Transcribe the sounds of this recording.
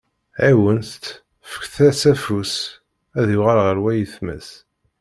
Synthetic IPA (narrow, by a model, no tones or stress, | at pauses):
æwənθt̪ | fə̥kθæsæfus | æðjʊʁalʁəɾwæjəθmæ̰s